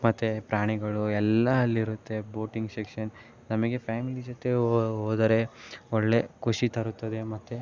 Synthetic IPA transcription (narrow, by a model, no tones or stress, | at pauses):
mɐt̪ːepɾaːɳiɡɐɭuɛlːɐːlːiɾut̪ːe̞boːʈiŋɡsekʂɐn | nɐmɐɡe̞pjaːmilid͡ʒot̪e̞oːd̪ɐɾe̞ɔɭːe̞kʰuʂit̪ɐɾut̪ːɐd̪e̞mɐt̪ːe